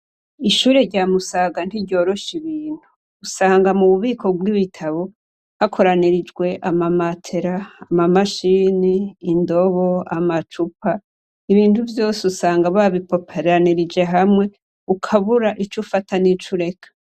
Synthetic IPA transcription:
iʃuːɾe̞ɾɟaːmusaɡan̥iɾɟo̞ːɾo̞ʃiβiːn̥uː | saːŋɡamuβuβiːkʰo̞ɡwiβitʰaβo̞ | hakʰo̞ɾaniɾid͡ʒɡwe̞ʔamamatʰe̞ɾaːmamaʃiːniːndo̞βo̞amat͡ʃupʰa | iβiːnduvjo̞ːseusaːŋɡaβaβipo̞pʰeɾaniɾid͡ʒe̞ɦamŋe̞ | ukʰaβuɾaʔit͡ʃufatʰanit͡ʃuɾe̞kḁ

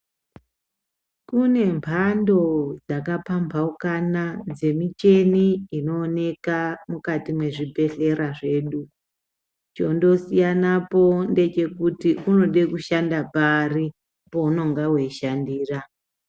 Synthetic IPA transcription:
kune̞mpʰando̞d͡zakapampʰaukanad͡ze̞mit͡ʃe̞niino̞ːne̞kamukatimwe̞ʐibʱe̞ɬe̞ɾaʐe̞ːɗu | t͡ʃo̞ndo̞sijanapo̞nde̞t͡ʃe̞kutiʔuno̞ɗe̞kuʃandapari | pouno̞ŋɡawe̞iʃandiːra

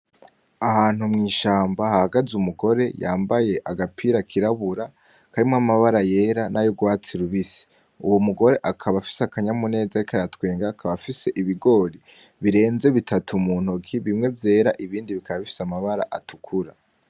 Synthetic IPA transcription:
ahaːn̥umŋiːʃaːmbahahaɡazumuɡo̞ɾe̞jaːmbaje̞ʔaɡapʰiɾakʰiɾaβuɾa | kaɾimŋamaβaɾaje̞ːɾanajoɡwaːt͡siɾuβisi̥ | ṵwomuɡo̞ɾe̞ʔakʰaβafi̥sakaɲamune̞ːzaɾikaɾjatweːŋɡaːkʰaβafise̞ʔiβiɡo̞ːɾi | βiɾe̞ːnze̞βitʰatʰumuːn̥hokiβimŋe̞vje̞ːɾaʔiβiːndiβikʰaβaβifi̥samaβaɾaʔatukʰuɾa̰

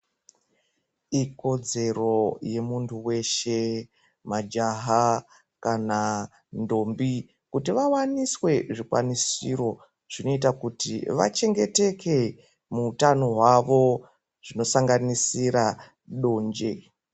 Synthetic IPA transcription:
iko̞d͡ze̞ro̞je̞muntʰuwe̞ʃe̞ | mad͡ʒaɦa | kana | ndo̞mbi | kutiʋawaniswe̞ʐikwa̰nisiɾo̞ | ʐ̥ino̞it̬akutiʋa̰t͡ʃe̞ŋɡe̞te̞ke̞ | muːtano̞ɦwaʋo̞ | ʐ̥ino̞saŋɡanisiɾa | ɗo̞ːɲd͡ʒḛ

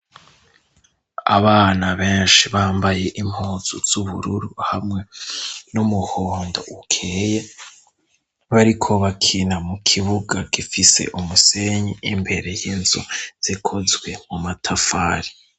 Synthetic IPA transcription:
a̰βaːnaβeːnʃiβaːmbaje̞ʔim̥huːz̥uz̥uβṵɾuɾuhamŋe̞numuhoːndo̰ukʰeːje | βaɾikʰo̞βakʰinamukʰiβuɡaɡifise̞̰ʔumuse̞ɲiimbe̞ɾe̞jinzṵz̥ikʰo̞zɡwe̞mumatʰafaːɾi

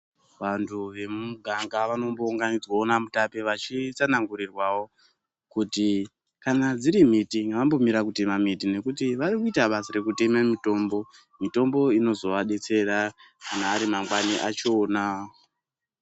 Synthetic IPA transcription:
ʋantʰuʋe̞muɡʱaŋɡaʋano̞mbo̞uŋɡanid͡zwaonamutapeʋat͡ʃit͡sanaŋɡuɾirwawo̞ | kuti | kanad͡ziɾim̤itiŋɡaʋambo̞miɾakute̞mamitine̞kutiʋaɾikuitaɓasaɾe̞kute̞mamito̞mbo̞ | mito̞mbo̞ino̞zo̞ʋaɗe̞t͡se̞ɾa | kanaːɾimaŋɡwaniʔat͡ʃoːna

